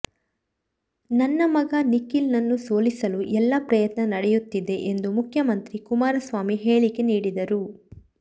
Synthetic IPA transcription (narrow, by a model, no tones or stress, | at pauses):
nɐnːɐmɐɡɐnikilnɐnːuso̞ːlisɐluʔɛlːɐpɾɐjɐt̪nɐnɐɽɛjut̪ːid̪e̞ʔend̪umukʰjɐmɐnt̪ɾikumaːɾɐsʋaːmiɦe̞ːɭike̞niːɽid̪ɐɾu